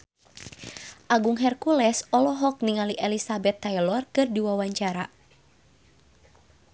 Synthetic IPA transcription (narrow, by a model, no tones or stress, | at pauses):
ʔaɡuŋɦɛrkulɛsɔlɔɦɔk̚niŋaliʔɛlisabɛt̪ːajlɔrkɨrdiwawaɲt͡ʃaɾa